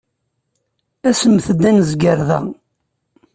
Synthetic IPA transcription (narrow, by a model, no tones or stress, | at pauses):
æsəmθəd̪ːænəzɡəɾðæ̰